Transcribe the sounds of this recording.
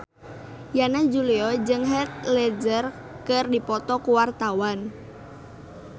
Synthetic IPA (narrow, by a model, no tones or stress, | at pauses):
janad͡ʒuliɔd͡ʒɨŋɦɛt̪̚lɛd͡ʒər | kɨrdipɔt̪ɔkuwart̪awan